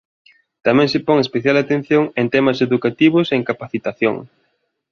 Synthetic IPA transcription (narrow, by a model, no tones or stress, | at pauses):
t̪amɛ̃ŋsɪpɔŋespeθjalat̪ẽn̟θjoŋent̪ɛmɐseðukat̪iβʊseŋkapaθit̪aθjo̰ŋ